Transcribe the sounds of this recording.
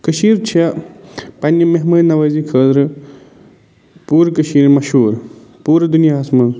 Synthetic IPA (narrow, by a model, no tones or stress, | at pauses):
kəʃiːɾt͡ʃʰɐ | pɐnjɐmɐɦmɐnɐʋəːzikʰəːd̪ɾɨ | puːɾkəʃiːɾmɐʃɦuːɾ | puːɾd̪unijaːɦɐsmɐ